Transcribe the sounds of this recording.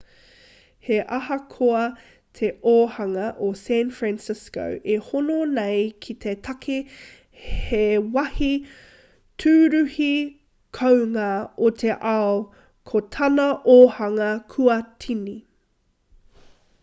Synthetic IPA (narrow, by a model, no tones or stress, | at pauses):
heʔɐhɐkʰoɐ | t̪ʰeʔoːhɐŋɐʔosænfɹæ̃nsɪsko̰wʔehononejkʰit̪ʰet̪ʰɐkʰe | hewɐhi | tʰʉːɾʉhi | kʰowŋɐot̪ʰeʔao | kʰotʰɐnɐʔohɐŋɐkʰuɐtʰini